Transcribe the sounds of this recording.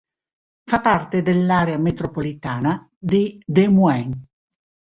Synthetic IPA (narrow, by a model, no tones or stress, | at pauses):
fapart̪ed̪elːaːɾeamet̪ɾopolit̪aːna | d̪id̪emuɛŋ